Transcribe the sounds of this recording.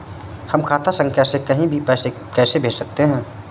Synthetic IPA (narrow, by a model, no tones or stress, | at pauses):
hɐmkʰaːt̪ʰasə̃ŋɡ̚kɛːsekɐɦĩbʱipɛːse | kɛːsebʱeːd͡ʒsək̚t̪eɦɛ̃ː